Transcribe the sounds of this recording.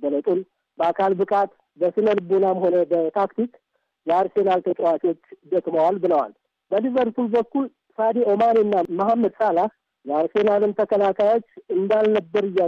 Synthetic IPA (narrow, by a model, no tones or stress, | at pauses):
bələt̪ʼun | bəakʰalbɨkʼat̪ | bəsɨnəlbonamho̞nəbət̪ʰakt̪ʰik | jaɾse̞nalt̪ʰət͡ʃʼwat͡ʃʼo̞t͡ʃːd̪ək̪ʼməwalbɨləwa̰l | bəlivəɾt̪ʰulbəkːul | sad̪eʔo̞maninːamahamːəd̪salah | jaɾse̞nalɨnt̪ʰəkʰəlakʰajo̞t͡ʃːɨnd̪alnəbːəɾɨjːa